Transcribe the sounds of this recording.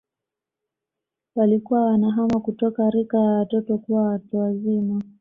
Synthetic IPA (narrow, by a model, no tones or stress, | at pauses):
walikuwawanaɦamakutɔkaɾikajawatɔtɔkuwawatuwazima